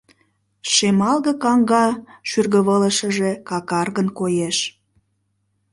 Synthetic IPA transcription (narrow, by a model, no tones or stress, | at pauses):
ʃemɑlɣə̆kɑŋɡɑʃyrɣəβələ̆ʃəʒekɑkɑrɣənkojeʃ